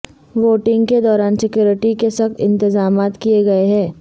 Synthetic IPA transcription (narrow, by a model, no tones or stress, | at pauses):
ʋoːʈɪ̃ŋɡked̪ɔːɾaːnsɪkjuːɾɪʈikesɐxt̪ɪ̃nt̪ɪzaːmaːt̪kijeɡɐeɦɛ̃ː